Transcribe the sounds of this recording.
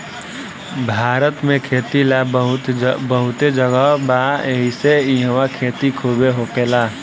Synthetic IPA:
bʱaːɾət̪mẽkʰeːt̪ilaɦʊt̪bəɦʊt̪ed͡ʒəɡəbaeɦiseiə̃wakʰeːt̪ikʰoːbeɦokeːlaː

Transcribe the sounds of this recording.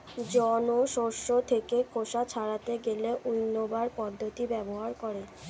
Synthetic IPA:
d͡ʑɔnoʃoɾʃːot̪ʰekekʰoʃat͡ɕʰaɽat̪eɡeleʔujnːobaɾpɔd̪ʱːot̪ibɛboɦaɾkoɾe

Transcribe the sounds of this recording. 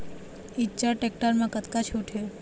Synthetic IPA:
ɪt͡ʃaɾʈek̚ʈəɾmãkət̪kat͡ʃʰuʈʰe

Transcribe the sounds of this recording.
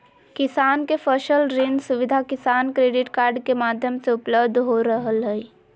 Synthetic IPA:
kɪsaːnkefʰəʃəlɾɪnsʊʋɪd̪ʱakɪsaːnkɾeːɖɪʈkaːɾɖkemaːd̪ʱjəmseʊpləbd̪ʱɦoɾəɦəlɦɛi

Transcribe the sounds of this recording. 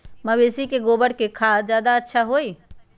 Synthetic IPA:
məbesikeɡobəɽkekʰad͡ʒjaːd̪aətːʃʰaɦoi

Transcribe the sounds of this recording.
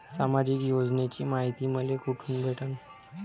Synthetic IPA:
samad͡ʑikjod͡znet͡ɕiːmaɦit̪iːməlekuʈʰuːnbʱeʈən

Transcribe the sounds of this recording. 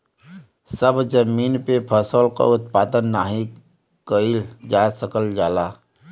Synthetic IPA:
səbd͡ʒəmiːnpepʰəsoːlka̰ʊt̪̚paːd̪ənːaːɦi | kəild͡ʒaːsəkəld͡ʒaːlaː

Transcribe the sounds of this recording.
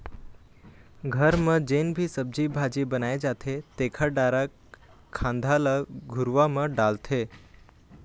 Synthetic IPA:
ɡʱəɾmə̃d͡ʒenbʱisəb̚d͡ʒibʱad͡ʒibənaed͡ʒat̪ʰet̪ekʰəɖaɾakʰː | ãnd̪ʱaləɡʱuɾʋamə̃ɖalt̪ʰe

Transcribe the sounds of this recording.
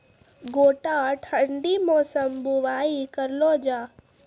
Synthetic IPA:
ɡoːʈãʈʰəɳɖimɔːsəmbuʋaːikəɾloːd͡ʒaː

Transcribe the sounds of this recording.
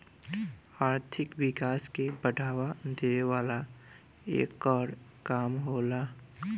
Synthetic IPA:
aːɾt̪ʰɪkʋɪkaːskebəɖʱaːwad̪eʋaːla | ḛːkɔːɾkaːmɦoːlaː

